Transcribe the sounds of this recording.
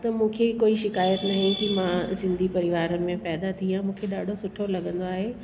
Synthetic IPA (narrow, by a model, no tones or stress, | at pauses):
t̪ɐmũːkʰekoːiʃɪkaːjət̪nɐɦĩk̪imãzɪ̃nd̪ʱipɐɾɪʋaːɾəmẽpɛːd̪at̪ʰiãmũːkʰeɗaːɖʱosʊʈʰolɐɠə̃nd̪oaːɦeː